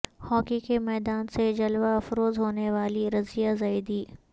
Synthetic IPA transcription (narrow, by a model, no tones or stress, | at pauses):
hɔːkikemɛːd̪aːnsed͡ʒɐlʋaɐfɾoːzɦoːneʋaːliɾɐzijazaɪd̪iː